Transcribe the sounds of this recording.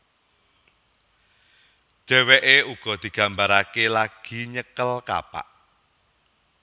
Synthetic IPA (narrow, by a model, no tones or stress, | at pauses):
d̥ʒ̥ɛ̤weʔeuɡ̥ɔ̤d̪̥i̤ɡ̥a̤mbaɾakelaɡ̥i̤ɲəkəlka̰pa̰ʔ